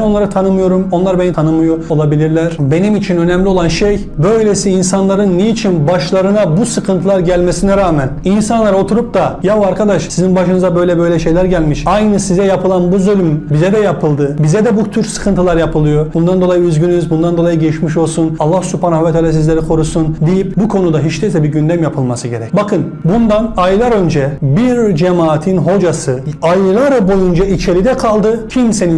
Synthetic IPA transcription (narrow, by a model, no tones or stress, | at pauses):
no̞nlˠaɾɯt̪ʰanɯmɯjo̞ɾumo̞nlˠaɾbenit̪ʰanɯmɯjoolˠabilʲiɾlʲæɾ̥be̞nimit͡ʃʰinø̞nɛmlʲio̞lˠanʃej | bø̞jlʲesiːnsanlˠaɾɯnːiit͡ʃʰinbaʃlˠaɾɯnabusɯkɯnt̪ʰɯlˠaɾɟælʲmɛsinɛɾaːmæninsanlˠaɾo̞t̪ʰuɾup̚d̪ajaaɾkʰad̪aʃsizinbaʃɯnɯzabø̞jlʲɛbø̞jlʲɛʃe̞jlʲæɾɟælʲmiʃajnɯsizɛjapʰɯlˠanbuzølʲymbizɛd̪ɛjapʰɯlˠd̪ɯbizɛd̪ɛbut̪ʰyɾsɯ̥kʰɯnt̪ʰɯlˠaɾjapʰɯlˠɯjo̞b̥und̪and̪olˠajɯyzɟynzbund̪and̪oajɯɟet͡ʃmiʃo̞lˠsunɑlˠːahsupʰanahvat̪ʰaːlʲasizlʲeɾikʰo̞ɾusund̪ijip̚bukʰo̞nud̪aɦit͡ʃt̪ʰɛjsɛbiɟynd̪æmjapʰɯlˠmasɯɟe̞ɾɛ̰cbakʰɯn | bund̪anajlˠaɾø̞nd͡ʒɛbiɾd͡ʒemaːt̪ʰinɦo̞d͡ʒasɯajlˠaɾbo̞jund͡ʒait͡ʃʰe̞ɾid̪ɛkʰalˠd̪ɯcʰimse̞ni